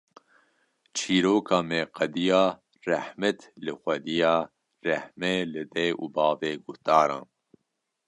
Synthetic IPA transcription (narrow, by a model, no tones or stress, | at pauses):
t͡ʃʰiːɾoːkʰɑːmeːqɐd̪ijɑː | rɛhmɛt̪lɨxʷɛd̪ijɑː | rɛhmɛlɨd̪ɛːʔṵːbɑːveːɡʊht̪ɑːɾɑ̰̃ːn